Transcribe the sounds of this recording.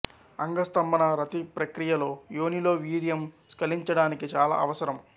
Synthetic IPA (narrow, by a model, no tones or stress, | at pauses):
ɐŋɡɐst̪ɐmbɐnɐɾɐt̪ipɾɐkɾijɐlo̞ːjoːnilo̞ːʋiːɾijɐm | skɐliɲt͡ʃɐɽaːnikit͡ʃaːla̰ːɐʋɐsɐɾɐm